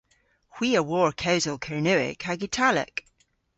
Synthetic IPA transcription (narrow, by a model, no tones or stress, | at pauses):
hw̥iəwɔɹkʰawzəlˠkʰəɹnʉɪ̰kʰaɡitʰalə̰k